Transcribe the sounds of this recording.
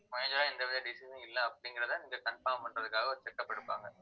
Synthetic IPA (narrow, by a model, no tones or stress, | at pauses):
mɔjɐɲd͡ʒaːɛnd̪ɐʋɪðɐɖɪsɪsɐ̃ɪlːɐːpːɐɽɪŋɡɪɾɐt̪ãːniːŋɡɐkɐɳfaːmpɐɳɖrɐðɯkːaːɣɐɔɾɯt͡ʃɛkːɐpːɐɽɯpːa̰ːŋɡɐ